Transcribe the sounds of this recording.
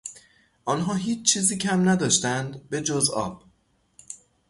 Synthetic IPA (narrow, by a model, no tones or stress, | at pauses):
ʔɒːnɦɒːɦiːt͡ʃt͡ʃʰiːziːcʰæmnæd̪ɒːʃt̪ænd̪be̞d͡ʒozɒ̰ːb̥